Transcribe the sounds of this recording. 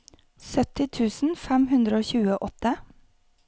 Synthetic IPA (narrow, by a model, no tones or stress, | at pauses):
sœt̪ɪt̪ʰʉːsn̩fɛmhʉnd̪ɾəoːçʉːəʔɔt̪ə